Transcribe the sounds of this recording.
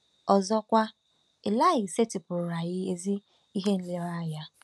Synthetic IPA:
ɔ˨zɔ˦kʷa˦ | ɪ˨la˦˨ɣɪ˨se˦tɪ˨pʊ˨ɾʊ˨ɾa˨ɣɪ˦e˨zi˦ | i˦ɦe˦n̩˦le˦ɾa˦ja˦

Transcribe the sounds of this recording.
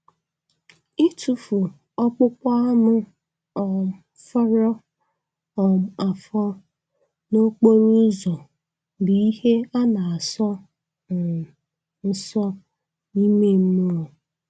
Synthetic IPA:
ɪ˦tu˨fu˨ | ɔ˦k͡pʊ˦kʷa˦a˦mʊ˦ | ɔ˨ | fɔ˦ɾɔ˦ | ɔ˨m˨a˨fɔ˦ | no˦k͡po˦ɾu˦zɔ˨ | bi˨i˦he˦a˦na˨a˨sɔ˦˨ | n̩˦sɔ˦ | ni˦me˦m̩˦mu˦o˨

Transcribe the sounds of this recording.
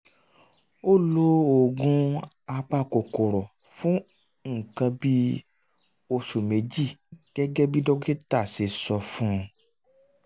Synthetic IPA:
o˦˨lo˦o˨ɡũ˧ | a˧k͡pa˦˨ko˨ko˨ɾɔ˨ | fũ˦ | ŋ̩˨kã˧bi˦ | o˧ʃu˨me˨˦d͡ʒi˦˨ɡ̥ɛ˦ɡɛ˦bi˦do˦ɡe˦ta˦˨si˨sɔ˧fũ˦

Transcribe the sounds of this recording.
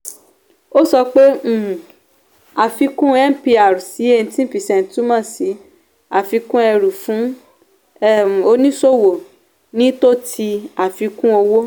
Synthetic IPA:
o˦sɔ˧k͡pẽ˦˨ | a˨fi˧kũ˦ɛ˦m̩˨pi˧a˨ɾu˨si˨˦e˦˧ñ̩˨˦tĩ˦pi˨sɛ̃˨n̩˨˦tu˦mã˦˨si˨˦ | a˨fi˧kũ˦ɛ˧ɾu˨fũ˨˦ | ɛ˦˨o˧nĩ˦so˦˨wo˨ | nĩ˦to˦ti˧a˨fi˨˧kũ˦o˧wo˦

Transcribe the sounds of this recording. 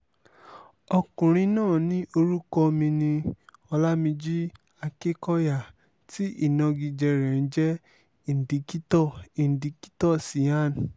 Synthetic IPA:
ɔ˧kũ˨ɾ̃ĩ˧nãː˦˨nĩ˦ʔo˧ɾu˦kɔ˦mĩ˧nĩ˧ɔ˧la˦mĩ˧d͡ʒi˦ | a˧ke˦kɔ˦ja˦˨ | ti˦ʔi˦˨nɔ̃˧ɡi˧d͡ʒɛ˧ɾɛ˨n̩˦d͡ʒɛ˦ | i˨n̩˨di˨˦ki˦tɔ˦˨i˨n̩˨di˨˦ki̥˦tɔ˦˨si˨a˦˨n˨

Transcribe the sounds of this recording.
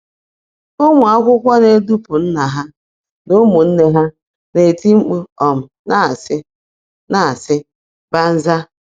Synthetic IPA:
o˦ŋʷʊ˨a˦kʷʊ˦kʷɔ˦ne˨˦du˦pʊ˨n̩˦na˨ɦa˦ | no˦mu˨n̩˦ne˦ɦa˦ | ne˨ti˦ŋ͡m̩˦k͡pu˦ɔ˨m̩˨na˦˨sɪ˦ | na˨a˨sɪ˦ | ba˦n̩˦za˦

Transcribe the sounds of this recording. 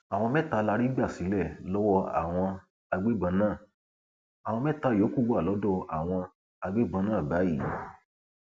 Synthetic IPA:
a˨w̃ɔ̃˧mɛ̃˦˨ta˧la˧ɾi˦ɡ͡ba˦˨si˨˦lɛ˦˨lɔ˦wɔ˧a̰˨w̃ɔ̃˧ | a˧ɡ͡be˦bã˧nãː˦˨ | a˨w̃ɔ̃˧mɛ˦ta˧˦˨jo˨˦ku˦˨wa˦˨lɔ˨˦dɔ˦˧a˨w̃ɔ̃˧ | a˧ɡ͡be˦bã˧nãː˦˨ba˨˦ji˦˨˦

